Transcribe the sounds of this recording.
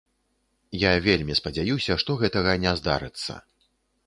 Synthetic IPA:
javʲelʲmʲispɐd͡zʲajusʲɐʂt̪ɔɣɛt̪ɐɣɐnʲɛzd̪a̰ɾɨt̪sːɐ̰

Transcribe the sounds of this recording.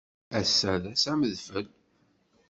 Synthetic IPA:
æsːæðæsæməðfəl

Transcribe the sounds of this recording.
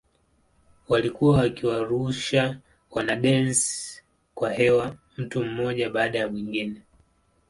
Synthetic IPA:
walikuwawakiwaɾuʃa | wanaɗɛns | kwahɛwa | m̩tum̩mɔʄaɓaːɗajamiŋɡinɛ

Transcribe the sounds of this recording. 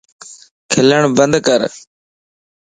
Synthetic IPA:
kʰɪləɳ̃bənd̪kəɾ

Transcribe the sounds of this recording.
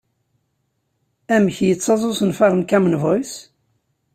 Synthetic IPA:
æməçjət͡sːɑzˤosənfɑɾˤənkæmənvɔjs

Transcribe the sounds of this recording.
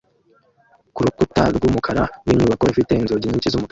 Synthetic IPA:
kuɾukutaɾɡuːmukʰaɾawiɲuːβako̞ifite̞inzoɟiɲicizumuk

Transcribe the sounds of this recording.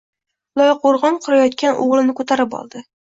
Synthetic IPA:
lˠɒjqoɾʁɒnqʰʊɾajɒt̪kʲanʔoʁlˠɪnɪkʰɵt̪ʰaɾɪpɒ̰lˠd̪ɪ

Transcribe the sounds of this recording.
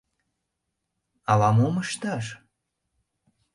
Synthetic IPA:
ɑlɑmoməʃt̪ɑʃ

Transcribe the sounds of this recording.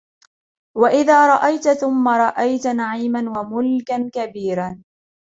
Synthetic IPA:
waʔɪðaːɾˤɑʔajt̪aθʊmːaɾˤɑʔajt̪anaʕiːmanwamʊlkankabiːɾa

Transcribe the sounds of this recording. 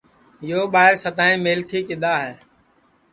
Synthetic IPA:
joːɓaːɦɪɾsət̪aːĩːmeːlt̪ʰiːkɪd̪aːɦɛː

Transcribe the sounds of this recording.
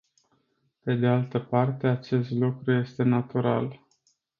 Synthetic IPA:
pe̞d̪e̞alt̪əpart̪e̞at͡ʃe̞st̪lukɾuje̞st̪e̞nat̪uɾa̰l

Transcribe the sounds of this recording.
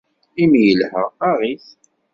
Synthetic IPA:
imjəlhəɾaʁiθ

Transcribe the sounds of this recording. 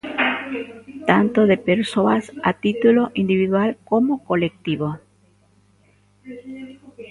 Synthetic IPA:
t̪ant̪oðepeɾsoasa̰t̪it̪uloʔind̪iβiðwalkomokolek̚t̪iβo

